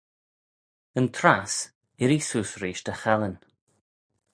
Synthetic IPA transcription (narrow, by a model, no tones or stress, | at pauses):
ənt̪ʰɾas | ɪɾisuːsɾiːʃt̪əxɛlən